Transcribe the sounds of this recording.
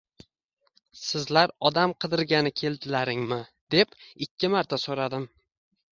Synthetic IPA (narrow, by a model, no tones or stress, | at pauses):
sɪzlaɾɒd̪amqʰɨd̪ɪɾɡʲanɪkʲʰe̞ld̪ɪlaɾɪŋmɪd̪̥e̞pɪkʲʰːɪmaɾt̪ʰasoɾad̪ɪm